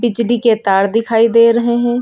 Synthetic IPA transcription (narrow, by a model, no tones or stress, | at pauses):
bɪd͡ʒliket̪aːɽd̪ɪkʰaːid̪eːɾəɦeɦɛ̃ː